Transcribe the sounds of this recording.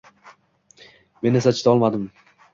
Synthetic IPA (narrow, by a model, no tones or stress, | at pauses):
me̞nːesat͡ʃʰɪ̥t̪ɒlˠmad̪ɪm